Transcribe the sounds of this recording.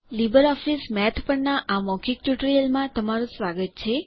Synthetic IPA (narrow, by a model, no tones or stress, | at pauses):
libəɾɔfismɛt̪ʰpəɳnaʔamɔkʰik̚ʈuʈəɾijəlmãt̪əmaɾũsʋaɡət̪̚t͡ʃʰe